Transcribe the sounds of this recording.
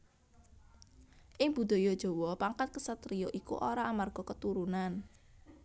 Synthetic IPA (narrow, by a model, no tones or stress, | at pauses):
ʔɪŋb̥ṳd̪̥ɔ̤jɔd̥ʒ̥ɔ̤wɔpaŋkat̪̚kəsət̪ɾiɔʔikṵʔoɾaʔamarɡ̥ɔ̤kət̪uɾunan